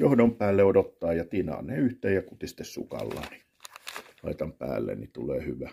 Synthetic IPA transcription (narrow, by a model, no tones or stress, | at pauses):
johdompæːlːeodot̪ːɑːjɑt̪inɑ̰ːneːyht̪eːjjɑkut̪ist̪ːessṵkɑ̰lːɑ̰ni | lɑit̪ɑmpæ̰ːlːḛnnit̪uleːhyʋæ